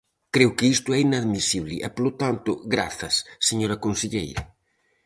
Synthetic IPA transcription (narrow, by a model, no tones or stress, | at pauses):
kɾewkɪist̪ʊɛinaðmisiβlɪ̰ʔɛpolot̪ant̪ʊ̰ɣɾa̰θɐsːeɲoɾɐkonseʎejɾɐ